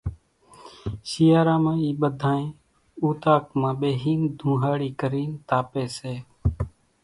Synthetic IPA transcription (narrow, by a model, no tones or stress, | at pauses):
ʃijaːɾãːmãːiːɓəd̪ʱãːẽː | uːt̪aːkmãːɓeːɦiːnd̪ʱũːɦaːɽiːkəɾiːnt̪aːpeːseː